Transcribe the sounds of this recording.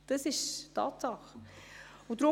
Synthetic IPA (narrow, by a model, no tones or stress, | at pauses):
d̥ɑsɪʃtʰɑ̰ːtsɑχ | ʊd̥ɾʊ